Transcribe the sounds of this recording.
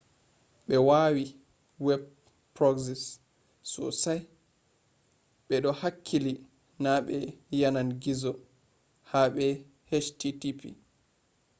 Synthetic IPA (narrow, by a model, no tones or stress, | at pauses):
ɓɛwawi | wɛb | pɾɔɡsɛs | sɔ̰saj | ɓɛɗɔhakʰːili | naɓɛjananɡizɔ | haɓɛ | hɛt͡ʃtitipḭ